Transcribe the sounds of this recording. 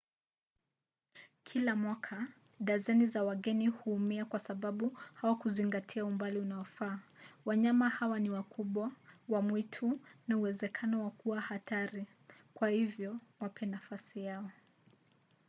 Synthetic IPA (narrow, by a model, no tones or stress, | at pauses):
kʰilamwakʰa | ɗazɛnizawaɠɛnihuːmiakwasaɓaɓuhawakuziŋɡatʰiaumbaliunaɔfaːwaɲamahawaniwakʰuɓwawamwitʰunauwɛzɛkʰanɔwakuwahataɾi | kwahivjɔwapʰɛnafasijaɔ